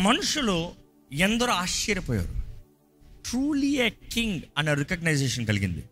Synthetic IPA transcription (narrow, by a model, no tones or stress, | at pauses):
mɐnuʂulu | ɛnd̪ɐɾoaːʃiːɾɐpɔːja̰ːɾṵ | ʈɾuːlijeːkiŋɡɐnːɐɾikɐɡnɐjd͡ʒeːʃɐnkɐliɡḭnd̪ḭ